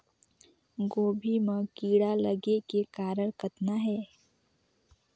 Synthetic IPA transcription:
ɡoːbʱimə̃kiːɽaləɡekekaːɾəɽkət̪naɦɛː

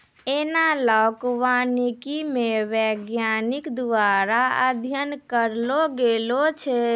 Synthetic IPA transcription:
enalakwanikimeʋɛɡjanikd̪aɾaə̰d̪ʱjənkəɾloɡelot͡ʃʰɛ

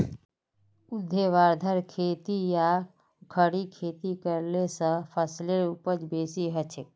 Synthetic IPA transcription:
ʊd̪ʱːeʋaːɾd̪ʱəɾkʰeːt̪ija | kʰəɽikʰeːt̪ikəɾlesə̃pʰəsleɾupəd͡ʒbeːsiɦət͡ʃʰe

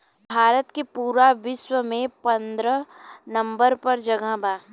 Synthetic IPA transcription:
bʱaːɾət̪kepuːɾaʋɪʃwəmẽpɐ̃nd̪ɾənɐ̃mbəɾpɐɾd͡ʒɐɡəbaː

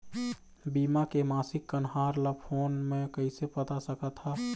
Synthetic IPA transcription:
bimakemasikːənɦaɾlapʰonmekəɪsepət̪asəkət̪ɦa

